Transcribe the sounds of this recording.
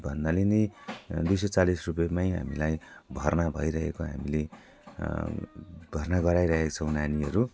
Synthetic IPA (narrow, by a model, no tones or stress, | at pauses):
bʱʌnd̪alenejd̪ujsʌt͡salisrup̬jmajɦa̰milajbʱʌrnabʱʌjɾʌɦekoɦa̰mile | bʱʌrnaɡʌɾajɾʌɦekt͡sʰʌ̃w̃naniʌɾu